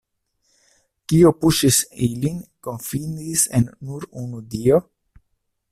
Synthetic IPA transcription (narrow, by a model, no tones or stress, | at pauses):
kiopuʃisilinko̞nfindisḛnːuɾunudio